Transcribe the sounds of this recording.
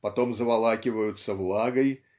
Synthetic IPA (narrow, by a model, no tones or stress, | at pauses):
pɐt̪o̞mzəvɐlˠakʲɪvəjʊt̪səvlˠaɡəj